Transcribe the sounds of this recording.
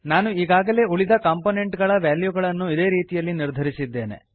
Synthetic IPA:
naːnuiːɡaːɡɐle̞ːuɭid̪ɐkaːmpone̞ɳʈɡɐɭɐʋjaːljuɡɐɭɐnːuid̪e̞ːɾiːt̪ijɐlːiniɾd̪ʱɐɾisid̪ːe̞ːne̞̰

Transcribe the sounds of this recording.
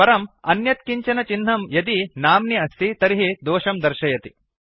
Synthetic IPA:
pɐɾɐmɐ̰njɐt̪̚kiɲt͡ʃɐnɐt͡ʃinɦ̪ɐmjɐt̪inaːmniɐst̪ʰit̪ɐɾiɦid̪oːʃɐmd̪ɐɾʃɐjɐt̪i

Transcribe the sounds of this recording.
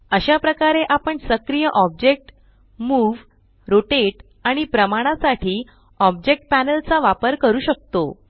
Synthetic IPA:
əɕapɾəkaɾeʔapəɳsəkɾijəʔɔb̚d͡ʑek̚ʈ | muːʋ | ɾoʈeʈ | aɽ̃ipɾəmaɽ̃asaʈʰiː | ɔb̚d͡ʑek̚ʈ̚pænəlt͡saʋapəɾkəɾuːɕək̚t̪o

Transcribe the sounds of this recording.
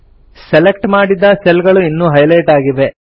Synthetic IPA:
sɛlek̚ʈmaːɽid̪ɐselɡɐɭuinːuːɦɐjlɐjʈaːɡiʋe̞

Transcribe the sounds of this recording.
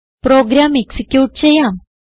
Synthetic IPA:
pɾoːɡɾaːmeksikʲjuːʈt͡ɕejːaːm

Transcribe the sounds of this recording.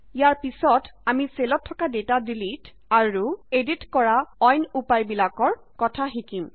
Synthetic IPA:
jaɹpisɔtamiselɔtʰːɔkadetadilit | aɹueditkɔɹaɔjnupajbilakɔɹ | kɔtʰaɦikim

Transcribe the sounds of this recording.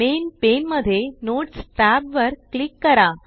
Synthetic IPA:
enpenməd̪ʱːjenoʈsʈæbʋəɾklikːəɾa

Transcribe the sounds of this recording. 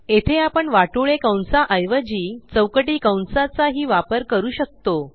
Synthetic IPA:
et̪ʰeapəɳʋaʈoɭekawnsaʔəjʋəd͡ʑiːt͡səwkəʈiːkawnsat͡saɦiːʋapəɾkəɾuːɕək̚t̪o

